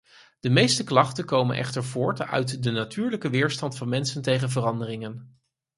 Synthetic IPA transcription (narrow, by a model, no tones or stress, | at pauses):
d̥əmejstəklɑχtənkowmənʔɛ̰χtəɹvʊːɹtœ̰ɥtdənatʰyːɹləkəʋɪːɹstɑntfɑnmɛnsəntejχəvərɑndərɪŋən